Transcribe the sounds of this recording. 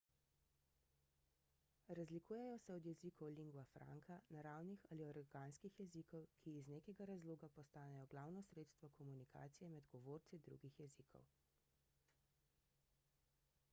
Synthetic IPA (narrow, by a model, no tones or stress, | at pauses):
ɾazlikuːjɛjɔsɛɔd̪jɛzikʰɔwliŋɡafɾa̰ŋkʰanaɾawnixaliɔɾɡaːnskixjɛzikɔwkʰiːzneːkɛɡaɾazloːɡapɔst̪aːnɛjɔɡlawnɔsɾeːt̪st̪ʋɔkʰɔmunikʰa̰ːt̪sijɛmɛd̪ɡɔʋoːɾt̪sid̪ɾṵɡixjɛziːkʰɔ̰w